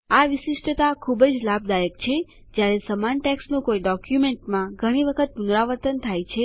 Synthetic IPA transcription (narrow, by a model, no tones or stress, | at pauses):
aʋɪʃɪʃʈət̪akʰubəd͡ʒlabd̪ajəkt͡ʃʰe | d͡ʒjaɾesəmanʈɛksnũkoiɖɔkjumeɳʈmãɡʱəɽ̃iʋəkʰət̪̚punɾaʋəɾt̪ənt̪ʰajt͡ʃʰe